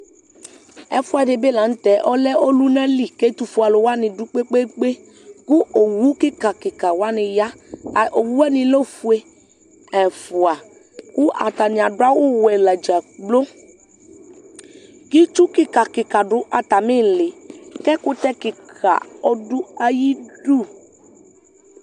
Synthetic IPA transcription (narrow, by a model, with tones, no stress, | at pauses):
ɛ̰˨fʊ˦a˨de˧be˦˨la˨n̩˦tɛ˨˦ʔɔ˦lɛ˦ʔo˦lu˦nã˦li˨ke˦tu˦fu˨a˨lʊ˨wa˦nɪ̃˧du˦k͡pe˦k͡pe˦k͡pe˦ | ku˦o˨wu˨˦ki˦ka˨kɪ˨ka˨wa˦nɪ̃˧ja˦˨o˨wu˦ɛ˦nɪ̃˧lo˦fu˨˦e˧ | ɛ˨fʊ˨a˨ | ku˦ʔa̰˨ta˨nɪ˨a˨dʊ˦a˦wu˦wɛ˨la˨d͡ʒa˨ɡ͡blo˦ | ki˦t͡ʃu˦kɪ˦ka˨kɪ˨ka˨dʊ˨˦ʔa˨ta˨mĩ˦˨lɪ˨kɛ˦kʊ˦tɛ˦kɪ˨kʰa̰˨ɔ˦dʊ˦a˧ji˦du˦˨